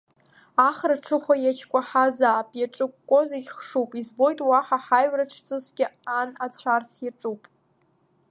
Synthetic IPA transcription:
aχraʈ͡ʂʰɨχʷajat͡ʃʰkʷʼaħazaːpʼjaʈ͡ʂʼɨkʷːʼozaiχʂupʼizbo̞jtʼwaħaħajɥraʈ͡ʂʰt͡sʼɨzɡʲɪanat͡sʷʰarsjaʈ͡ʂʼupʼ

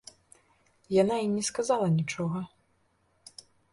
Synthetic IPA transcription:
janaimnʲɛskazalˠɐnʲit͡ʂɔɣɐ

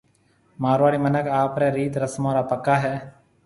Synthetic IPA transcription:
maːɾʋaːɽiːmənəkaːpɾɛːɾiːt̪ɾəsmãːɾaːpəkːaːɦɛː

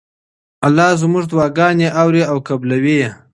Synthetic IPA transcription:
alːɑzmʊʐd̪wɑɡɑnjeʔawɾiawkablawije

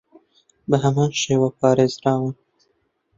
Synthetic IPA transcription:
bəɦamɑnʃewɑpɑɾezɾɑwun

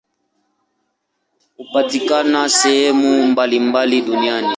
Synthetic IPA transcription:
upatikanasɛhɛmumbalimbaliɗuniani

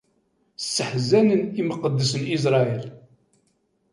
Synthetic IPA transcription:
sːəħzænəniməqəd̪ːəsənis̬ɾˤɑil

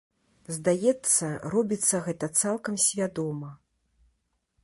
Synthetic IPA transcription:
zd̪ajɛt̪sːɐɾɔbʲit̪sːɐɣɛt̪ɐt̪salˠkɐmsʲvʲad̪ɔmɐ

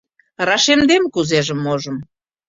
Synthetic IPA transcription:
rɑʃemd̪emkuzeʒə̆mːoʒə̆m

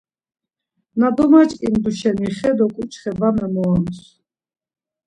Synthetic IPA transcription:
nad̪ɔmat͡ʃʼkʼimd̪uʃɛniχɛd̪ɔkʼut͡ʃʰʼχɛvamɛmɔams

